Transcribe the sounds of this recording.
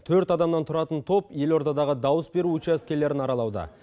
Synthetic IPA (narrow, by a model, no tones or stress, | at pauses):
t̪ʰɵɾt̪ɑd̪ɑmnɑnt̪ʰʊɾɑt̪ənt̪ʰo̞pje̞lo̞ɾt̪ɑd̪ɑʁəd̪ɑwəsbe̞ɾuut͡ʃæs̚kʲe̞ɾle̞ɾɪnɑɾɑlˠɑwd̪ə̰